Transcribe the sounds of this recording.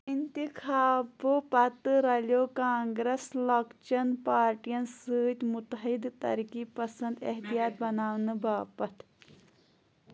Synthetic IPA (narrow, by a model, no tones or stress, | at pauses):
int̪ikʰaːbopɐt̪ɾɐljoːkãːŋɡɾeslɐkt͡ʃɐnpaːɾʈijɐnsɨːt̪mut̪ɐɦid̪t̪ɐ̰ɾkipɐsɐnd̪ɐ̰ɦt̪ijaːt̪̚bɐnaːwnɨbʱaːpɐt̪